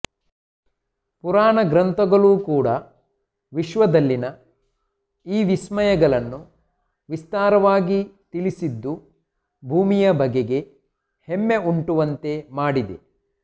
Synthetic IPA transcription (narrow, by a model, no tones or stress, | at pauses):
puɾaːɳɐɡɾɐnt̪ʰɐɡɐɭuːkuːɽɐ | ʋiʃʋɐd̪ɐlːinɐ | iːʋismɐjɐɡɐɭɐnːu | ʋist̪aːɾɐʋaːɡit̪ilisid̪ːu | bʱuːmijɐbʱɐɡeɡe̞ | hemːe̞uɳʈuʋɐnt̪e̞maːɽid̪e̞̰